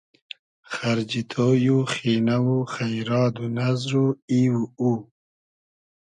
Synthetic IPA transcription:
xaɾd͡ʒit̪ʰoːjuxiːnawuxajɾɑːd̪unazɾuiwuu

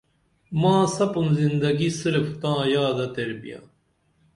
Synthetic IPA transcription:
mãːsɐpunzind̪ɐɡisɨɾft̪ãːjaːd̪ɐt̪eɾbḭja̰

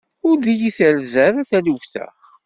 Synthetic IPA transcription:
ʊɾðijiθəlzəɾæθæluvθə̰χ

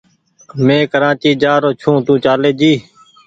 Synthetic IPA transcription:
mẽːkəɾãːt͡ʃiːd͡ʒaːɾoːt͡ʃʰũːt̪ũːt͡ʃaːleːd͡ʒiː

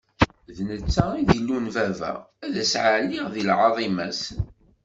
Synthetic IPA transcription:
ðnət͡sːaiðilːunvævæ̰æðæsʕalːiʁðilʕɑðˤimæs

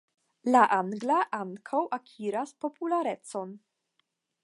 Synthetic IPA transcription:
laʔaŋɡlaʔaŋkʰawʔakʰʲiɾaspo̞pulaɾett͡so̞n

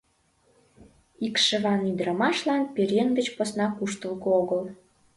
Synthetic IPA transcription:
ikʃə̆βɑnyd̪ɾəmɑʃlɑnpeɾʲenɡət͡ɕposnɑkuʃt̪əlɣooɣəl

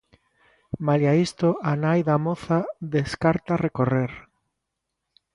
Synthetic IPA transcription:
maljaist̪oanajðamoθaðeskaɾt̪arekoreɾ

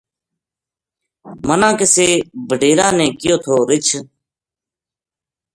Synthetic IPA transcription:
mənãːkɪseːbʱəɖʱeːɾaːnẽːkɪjoːt̪ʰoːɾɪt͡ʃʰ

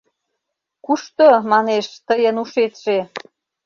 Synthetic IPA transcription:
kuʃt̪omɑneʃt̪əjənuʃet̪ʒe

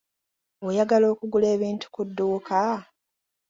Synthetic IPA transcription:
wejaɡalo̞ːkuɡule̞ːβiːntu̥kudːuːkʰa

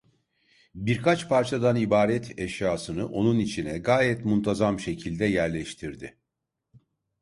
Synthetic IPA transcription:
biɾkʰat͡ʃpʰaɾt͡ʃʰad̪anibaːɾɛt̪ʰɛʃjaːsɯnɯʔo̞nunit͡ʃʰinɛɡaːjɛt̪munt̪ʰazamʃe̞cʰilʲd̪ɛjæɾlʲɛʃt̪ʰiɾd̪ɪ

